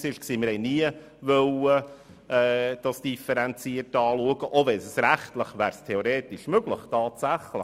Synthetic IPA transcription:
sɪʃksiːməɾɛniə | ʋœwə | ɛːd̥ɑsd̥ifəɾɛnt͡siərtːɑːluəɡ̥əʔovɛnsəsɾæχtləχʋæːɾstʰeoɾeːt̪ɪʃmøɡ̥ləχtɑːtsæχlə

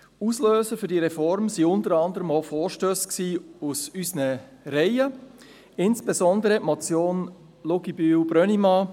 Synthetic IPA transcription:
usløːsəɾfʏɾdiːɾɛfɔɾmsiʊntəɾɑndəɾəmofoːɾʃtøːsksiːusysnə | ɾɛɪə | ɪnsb̥ezɔnd̪əɾəʔmot͡sjoːn | loɡibyːwb̥ɾœnimɑː

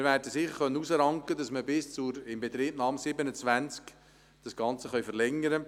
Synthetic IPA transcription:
ɪɾvæːɾdəsɪχəɾχœnːənusəɾɑŋkədɑsməbɪst͡sʊɾɪmbet̪ɾiːbnɑːmsɪbənət͡sʋænt͡sk | d̥ɑsɡ̥ɑnt͡səχœɥfəɾlɛŋəɾə

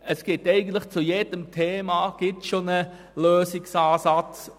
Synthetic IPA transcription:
əsɡ̥ɪtɛɪɡəntləχt͡sujeːd̥əmtʰeːmaːɡ̥ɪtʃonə | løːsɪksaːsɑt͡s

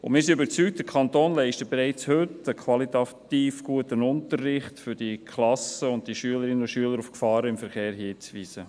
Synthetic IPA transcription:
ʊ̰mɪːɾsiøbəɾt͡syk̚t̚d̥̪əkʰɑntoːnlɛɪʃtəb̥eɾɛɪt͡shʏtəkʰwɑlit̪ɑt̪iːfɡ̥uətənʊntərːɪχtfʏɾd̥ikʰχlɑsəʊnt̚diʃyələɾɪnəoʃyələɾufkfɑːɾəɪmfəɾχeːɾɦiːt͡sʋiːsə

